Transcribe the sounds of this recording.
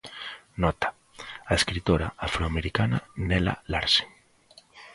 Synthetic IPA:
nɔt̪ḁ | aeskɾit̪oɾaafɾoameɾikananɛla̰laɾse̥

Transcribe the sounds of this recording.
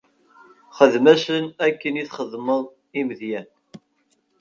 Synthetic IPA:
χəðmæsənækːəniθχəðˤməðˤ | imðjæn

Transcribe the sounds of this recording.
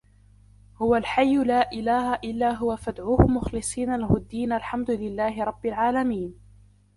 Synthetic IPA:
hʊwalħajːʊlaːʔɪlaːhaʔɪlːaːɦʊwafad̪ʕuːhʊmʊxlɨsˤiːnalahʊd̪ːiːnalħamd̪ʊlɪlːaːɦɪɾˤɑbːɪlʕaːlamiːn

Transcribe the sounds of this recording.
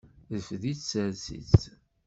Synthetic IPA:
ðəfðit͡ssəɾsḭt͡s

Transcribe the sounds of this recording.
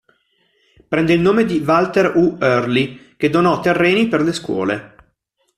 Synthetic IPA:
pɾɛnd̪eilnoːmed̪ivalt̪eruørliked̪onɔt̪ːerːeːniperleskwɔ̰ːle

